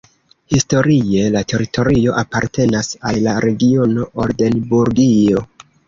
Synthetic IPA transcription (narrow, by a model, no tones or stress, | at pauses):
histo̞ɾie̞late̞ɾitʰo̞ɾio̞ʔapaɾte̞nasalːaɾe̞ɡio̞no̞ʔoɾde̞nbuɾɡio̞